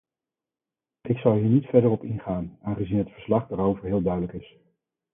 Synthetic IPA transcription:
ɪksɑwˠɦiːɹnitfɛɹdəɹɔpɪnχaːnaːnχəzinɦətfəɹslɑχdaːɾowvəɹɦɪːlˠdœɥdləkɪs

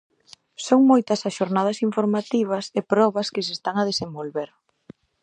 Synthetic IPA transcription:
soŋmojt̪ɐsaʃoɾnað̞ɐsiɱfoɾmat̪iβ̞ɐsepɾɔβɐskɪsest̪aŋɐð̞esembolβeɾ

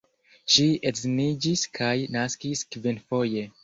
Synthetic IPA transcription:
ʃietznid͡ʒiskʰajnaskiskvinfoje

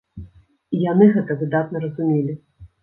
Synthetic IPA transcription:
ijanɨɣɛt̪ɐvʲɨd̪at̪̚nɐɾɐzumʲelʲi

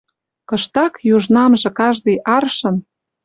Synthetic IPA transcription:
kɤ̆ʃt̪ɑkjuʒnɑmʒɤ̆kɑʒd̪ɤjʔɑrʃɤ̆n

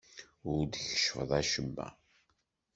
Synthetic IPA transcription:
ʊɾd̪çə̥ʃfəðˤæʃəmːæ̰

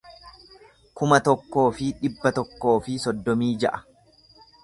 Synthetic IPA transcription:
kʊmɐt̪ɔkːo̞ːfɪᶑɪbːɐt̪ɔkːo̞ːfɪsɔd̪ːɔmiːd͡ʒɐ̰ʔɐ̥

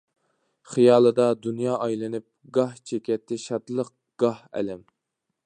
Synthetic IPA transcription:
χijɑːlˠɨd̪ɑd̪unjɑːʔɑjlˠɨnɨp̚ɡɑht͡ʃʰekʲɛt̪ʰːɪʃɑt̪lˠəq̚ | ɡ̥ɑhɛ̰lɛm

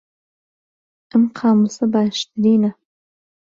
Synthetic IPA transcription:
əmqʰaːmusɐbaːʃt̪ɨɾiːnɐ

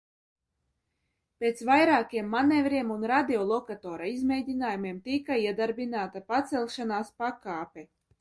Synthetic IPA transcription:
pʲet̪svajɾaːkiɛmːanevɾiɛmunɾad̪ʲiɔlˠɔkat̪ɔːɾaizmʲɛjd̪ʲinaːjumiɛmt̪ikaiɛd̪aɾbinaːt̪apat̪sɛlʲˠʃanaːspakaːpʲɛ

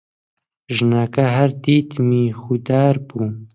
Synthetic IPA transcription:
ʒnaːkaɦɐɾd̪iːt̪miːxud̪aːɾbuː

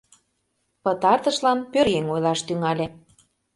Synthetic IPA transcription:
pət̪ɑrt̪ə̆ʃlɑnpøɾjeŋojlɑʃt̪yŋɑlʲĕ

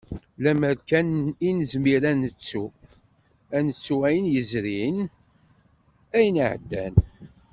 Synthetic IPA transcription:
læməɾkæninəzmiɾænət͡sːu | ænət͡sːuæjənjəzɾin | æjnəʕə̰d̪ːæ̰n

